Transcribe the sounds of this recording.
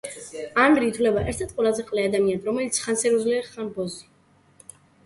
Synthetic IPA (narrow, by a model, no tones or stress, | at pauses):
anɡɾiːt̪ʰwlɛbaʔɛɾt̪ʰɛɾt̪̚ʼqʼwɛlˠazɛqʼlɛad̪amianɾɔmɛlit̪sʰχansɛɾuzliaχanbɔzi